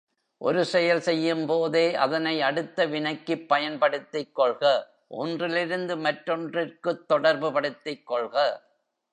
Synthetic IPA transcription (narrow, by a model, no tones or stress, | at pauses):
ʔɔ̰ɾɯsɛjɐlsɛjːɯmpoːðeːʔɐ̰ðɐnɐɪɐɽɯt̪ːɐʋɪnɐɪkːɯpːɐjɐnpɐɽɯt̪ːɪkːɔɭɣɐ | ʔɔ̰ndrɪlɪɾɯnd̪ɯmɐʈɾɔndrɪrkɯt̪ːɔɽɐɾbɯpɐɽɯt̪ːɪkːɔɭɣɐ